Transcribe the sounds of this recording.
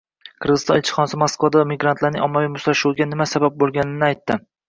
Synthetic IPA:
qʰɨɾʁɨzɨst̪ɒnɪlʲˠt͡ʃʰɪ̥χɒnasɪmoskvad̪amɪɡɾant̪ʰlaɾnɪŋɒmːavijmʊslaʃuwɡʲanɪmasabap̚bolˠɡʲanɪnɪajt̪ːɪ

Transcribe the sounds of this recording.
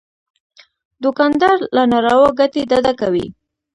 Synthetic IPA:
d̪ʊkɑnd̪ɑɾlanaɾɑwaɡat̪ed̪ad̪akawḭ

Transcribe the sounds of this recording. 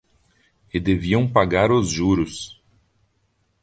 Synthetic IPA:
ɪd̪eviɐ̃w̃paɡaɾʊzʒuɾʊs

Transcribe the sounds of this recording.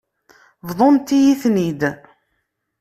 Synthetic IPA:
vðˤont̪ːijiθnid̪

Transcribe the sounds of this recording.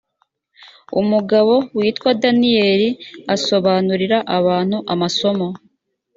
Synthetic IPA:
ṵmuɡaβo̞wiːtkwadanije̞ːɾiaso̞βaːnuɾiɾaʔaβaːn̥huʔamaso̞mo̞

